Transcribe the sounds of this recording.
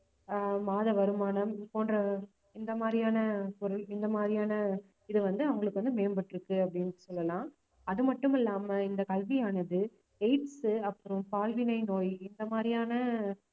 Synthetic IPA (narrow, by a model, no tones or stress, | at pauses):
maːðɐʋɐɾɯmaːnɐmɪpoːndrɐ | ɪnd̪ɐmaːd̪ɾɪjaːnɐpɔɾɯlɪnd̪ɐmaːd̪ɾɪjaːnɐ | ɪðɯʋɐnd̪ɯɐʋɐŋɡɐɭɯkːɯʋɐnd̪ɯmeːmbɐʈːɪɾɯkːɯɐpːɐɽɪnɯsɔlːɐlãː | ɐðɯmɐʈːɯmɪlːaːmɐɪnd̪ɐkɐlʋɪjaːnɐðɯ | ɐɪʈsɐpːɯɾɯmpaːlʋɪnɐɪnoːjɪnd̪ɐmaːd̪ɾɪjaːnɐ